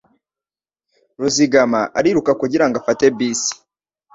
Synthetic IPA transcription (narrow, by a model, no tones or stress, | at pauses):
ɾuziɡamaʔaɾiɾukakuɟiɾaŋɡafate̞biːsi̥